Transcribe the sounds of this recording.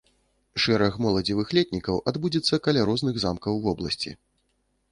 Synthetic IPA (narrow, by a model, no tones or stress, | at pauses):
ʂɛɾɐxmɔlˠɐd͡zʲivɨxlʲɛt̪ʲnʲikɐwʔad̪bud͡zʲɛt̪sːɐkɐlʲaɾɔznɨɣzamkɐwvɔblˠɐsʲt͡sʲḭ